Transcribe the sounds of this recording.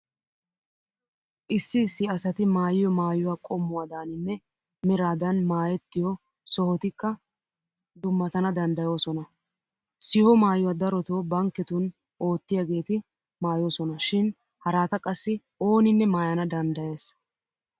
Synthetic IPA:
ʔɪsːɪːsːɪɐsɐt̪ɪmaːjɪjɔmaːjʊwaːkʼɔmːʊwaːd̪aːnɪnːɛ | mɛɾaːd̪ɐnmaːjɛt̪ːɪjɔ | sɔhɔt̪ɪkːɐ | d̪ʊmːɐt̪ɐnɐd̪ɐnd̪ɐjo̞ːsɔnɐ | sɪhɔmaːjʊwaːd̪ɐɾɔt̪oːbɐŋkːɛt̪ʊn | ʔo̞ːt̪ːɪjaɡe̞ːt̪ɪ | maːjo̞ːsɔnɐʃɪn | hɐɾaːt̪ɐkʼɐsːɪ | o̞ːnɪnːɛmaːjɐnɐd̪ɐnd̪ɐje̞ːs

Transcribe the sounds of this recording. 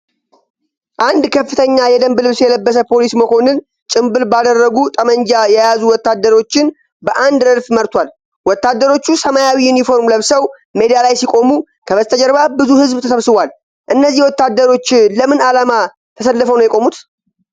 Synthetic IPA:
ʔand̪kʰəfːɨt̪ʰəɲːajɛd̪əmbɨlɨβsjɛləbːəs̬əpʰo̞lisməkʰo̞nɨn | t͡ʃʼɪmbɨlbad̪ərːəɡut̪ʼəməɲd͡ʒajɛjazuwɔt̪ːad̪ːəɾo̞t͡ʃːɪn | bəʔand̪əlfməɾt̪ʰwal | wɔt̪ːad̪ːəɾo̞t͡ʃːusəmajawijunifo̞ɾmləβsəw | me̞d̪ijalajsikʼo̞mu | kʰəbəzt̪ʰəd͡ʒəɾβabɨzuhɨzbt̪ʰəsəβsɨβʷal | ʔɨnːəzːihwɔt̪ːad̪ːəɾo̞t͡ʃːləmɨnalama | t̪ʰəsəlːəfəwnəwjɛkʼo̞mut̪

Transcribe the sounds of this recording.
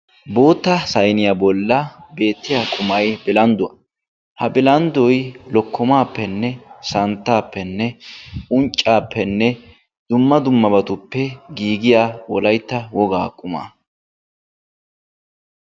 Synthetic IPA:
bo̞ːt̪ːɐsɐjnɪjabɔlːɐbe̞ːt̪ːɪjaːkʼʊmɐjbɪlɐnd̪ʊwɐ̰ | hɐbɪlɐnd̪ɔjlɔkːɔmaːpːɛnːɛsɐnt̪ːaːpːɛnːɛʊnt͡ʃʼːaːpːɛnːɛ | d̪̥ʊmːɐd̪ʊmːɐbɐt̪ʊpːɛɡiːɡɪjaːwɔlɐjt̪ːɐwɔɡaːkʼʊma̰ː

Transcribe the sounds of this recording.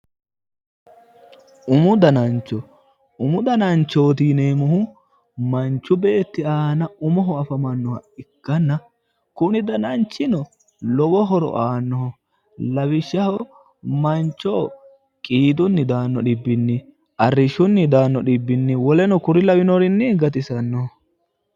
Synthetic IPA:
ʊmʊd̪ɐnɐnt͡ʃːɔ | ʊmʊd̪ɐnɐnt͡ʃːoːt̪iːneːmʊhʊ | mɐnt͡ʃːʊbe̞ːt̪ːɪaːnɐʊmɔɦɔɐfɐmɐnːɔhɐ̰ɪkːɐnːɐ | kʊnɪd̪ɐnɐnt͡ʃːɪnɔ | lɔwɔɦɔɾɔ̰ʔaːnːɔhɔ | lɐwɪʃːɐhɔ | mɐnt͡ʃːoː | kʼiːd̪ʊnːɪd̪aːnːɔɗɪbːɪnːɪ | ʔɐrːɪʃʊnːɪd̪aːnːɔɗɪbːɪnːɪwɔlɛnɔkʊɾɪlɐwɪnɔɾɪnːɪɡɐt̪ɪsɐnːɔɔ

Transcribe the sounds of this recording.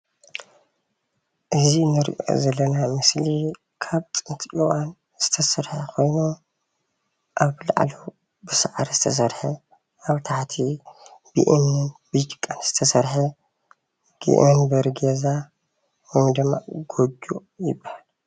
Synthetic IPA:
ʔɨzinɨɾḭʔo̞̰zɐlːɐnamɨsli | kʰaβt̪ʼɨnt̪ʰʔiwan | z̥ɨ̥t̪ʰɐsɐɾħekʰo̞jnu | ʔaβla̰ʕlo | bɨsaʕɾizɨt̪ʰɐs̬ɐɾħe | ʔaβt̪ʰaħt̪ʰib̥ḭʔnːɨnbɨt͡ʃkʼːanz̥ɨ̥t̪ʰɐsɐɾħɐ | ɡ̥ḭʔonbɐɾɡeza | womd̪ɨmːa̰ɡod͡ʒujɪbːahal

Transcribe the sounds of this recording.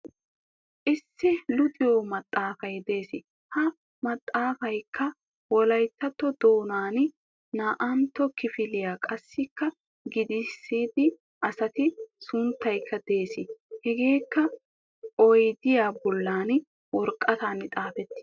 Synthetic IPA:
ʔɪsːɪlʊt̪ʼɪjomɐt̪ʼːaːfɐjd̪e̞ːsɪ | hɐ | mɐt̪ʼːaːfɐjkʰːɐ | wɔlɐjt̪ːɐt̪ːɔd̪o̞ːnaːn | naːʔɐnt̪ːɔkɪfɪlɪjaːkʼɐsːɪkːɐ | ɡɪd̪ɪsːiːd̪ɪ | ʔɐsɐt̪ɪsʊnt̪ːɐjkːɐd̪e̞ːsɪhɛɡe̞ːkːɐ | ɔjd̪ɪjaːbɔlːaːn | wɔɾkʼːɐt̪aːnɪt̪ʼaːfɛt̪ːɪ̥

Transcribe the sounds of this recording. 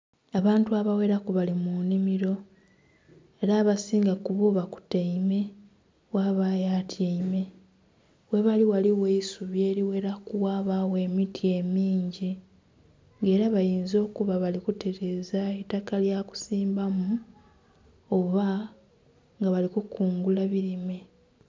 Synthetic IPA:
aβaːntuaβawe̞ːɾakuβalimunimiɾo̞ | e̞ɾaːβasiːŋɡakuβoβaku̥teime̞ | waβajaːtʰjeime̞ | we̞βaliwaliwe̞isuβjeːɾiwe̞ːɾakuwaːβawe̞ːmitʰie̞miːɲɟi | ŋɡe̞ːɾaβajiːnzo̞ːkuβaβalikuteɾe̞ːzaetakaljaku̥siːmbamu | oβa | ŋɡaβalikukuːŋɡulaβiɾime̞

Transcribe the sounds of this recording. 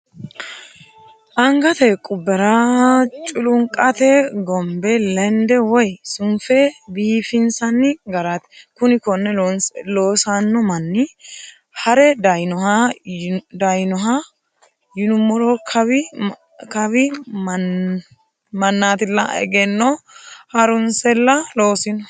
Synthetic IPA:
ʔɐŋɡɐt̪ɛkʼʊbːɛɾat͡ʃʼʊlʊŋkʼɐt̪ɛɡɔmbɛlɛnd̪ɛwɔjsʊmfebiːfɪnsɐnːɪɡɐɾat̪ɛ̥kʊnɪkɔnːɛloːsanːɔmɐnːɪ | hɐɾɛd̪ɐjnɔha | d̪ɐjnɔɦa | jɪnʊmɔɾɔkʰɐbɪ | kɐbɪ | mɐnːaːt̪ɪlːɐ̰ɛ̰ɡɛnːɔhɐɾʊnsɛlːɐloːsɪnɔ

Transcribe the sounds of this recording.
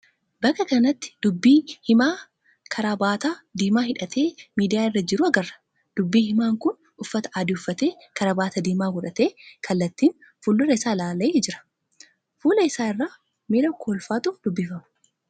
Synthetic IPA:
bɐkːɐkɐnɐt̪ːɪ̥d̪̥ʊbːiːhɪmaː | kʰɐɾaːbaːt̪aːd̪iːmaːhɪᶑɐt̪ʰe̞ːmiːd̪ɪjaːɪrːɐd͡ʒɪɾʊɐɡɐrɐ̥ | d̪̥ʊbːiːhɪmaːŋkʊn | ʊfːɐt̪ɐ̥ʔaːd̪ɪʊfːɐt̪e̞ː | kɐɾaːbaːt̪ɐd̪iːmaːɡɔᶑɐt̪eːkʰɐlːɐt̪ːiːn | fʊlːʊɾɐɪsaːlaːlɐjeːd͡ʒɪɾɐ̥ | fuːlɐɪsaːɪrːaː | mɪɾɐkʰoːlfaːt̪ʊd̪ʊbːɪfɐmɐ̥

